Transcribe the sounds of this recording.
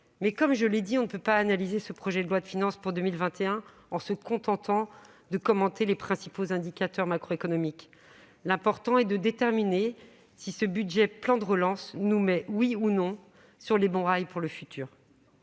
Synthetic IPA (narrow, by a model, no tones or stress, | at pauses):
mɛkɔmʒəled̪iɔ̃nəpøpaːnalizesəpχɔʒɛd̪əlwad̪əfinɑ̃spuʁd̪əmilvɛ̃t̪ʰeɛ̃ | ɑ̃səkɔ̃t̪ɑ̃t̪ɑ̃ | d̪əkɔmɑ̃t̪elepχɛ̃sipozɛ̃d̪ikʲat̪œʁmakχoekɔnɔmik | lɛ̃pɔʁt̪ɑ̃ɛd̪əd̪et̪ɛʁmine | sisəbyd̪ʒɛplɑ̃d̪əʁəlɑ̃snumɛwiunɔ̃ | syʁlebɔ̃ʁajpuʁləfyt̪ʰyːʁ